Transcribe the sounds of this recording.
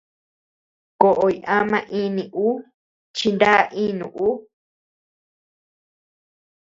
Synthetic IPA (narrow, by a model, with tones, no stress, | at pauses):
ko˨ʔo˨i˧ã˦mã˧ʔĩ˦nĩ˨ʔu˦ | t͡ʃi˧nd̪a˦˧ʔĩː˦nũ˨ʔu˦